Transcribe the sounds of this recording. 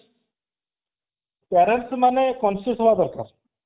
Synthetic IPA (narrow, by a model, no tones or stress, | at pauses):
pɛɾeɳʈsmanekɔnsiɦɔbad̪ɔɾkaɾ